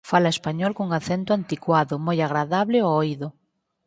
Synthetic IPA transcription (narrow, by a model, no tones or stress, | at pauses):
falaespaɲɔlkuŋaθent̪ʊant̪ikwaðʊmojaɣ̞ɾaðaβlɪoojðʊ